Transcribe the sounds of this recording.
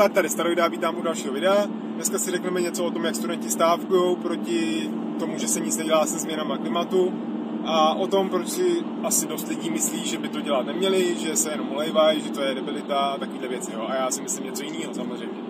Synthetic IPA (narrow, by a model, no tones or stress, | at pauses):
t̪aːt̪t̪aɾɪst̪aɾovjdɛaviːt̪aːmʔudalʃiːɦovɪdɛa | dnɛskasɪrɛknɛmɛɲɛt͡soot̪o̞mjakst̪udɛɲcɪst̪aːfkujo̞wpɾo̞cɪ | t̪o̞muʒɛsɛɲɪt͡snɛɟɛlaːsɛzmɲɛnamaklɪmat̪u | ʔaʔo̞t̪o̞mpɾot͡ʃsɪ | ʔasɪdost̪lɪɟiːmɪsliːʒɛbɪt̪o̞ɟɛlat̪nɛmɲɛlɪʒɛsɛjɛno̞mʔolɛjvajʒɛt̪o̞jɛdɛbɪlɪt̪at̪ako̞viːdlɛvjɛt͡sɪjoʔajaːsɪmɪslɪmɲɛt͡so̞jɪniːɦosamozrɛjmɲɛ